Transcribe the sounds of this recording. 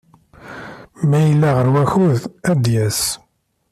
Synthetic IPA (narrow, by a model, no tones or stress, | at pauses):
mæjəlːæʁəɾwæçuðæd̪jæs